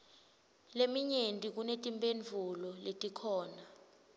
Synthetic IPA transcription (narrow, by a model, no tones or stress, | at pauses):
lemiɲentʼik̬unetʼimpʼend͡ɮʱulɔletʼikʰɔːna